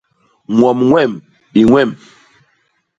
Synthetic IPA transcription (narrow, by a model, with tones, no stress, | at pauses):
ŋwɔ˨mŋwɛ˦˨m | i˨ŋwɛ˦˨m